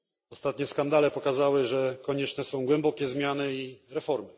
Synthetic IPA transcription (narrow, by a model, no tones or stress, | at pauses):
ɔst̪at̪ɲɛskand̪alɛpɔkazawɘʐɛkɔɲɛt͡ʂnɛsɔ̃w̃ɡwɛmbɔkʲɛzmʲjanɘiɾɛfɔɾmɘ